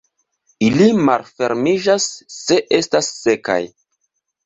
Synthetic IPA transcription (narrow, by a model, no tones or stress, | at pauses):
ilimalfe̞ɾmid͡ʒasːe̞ʔe̞stasːe̞ka̰j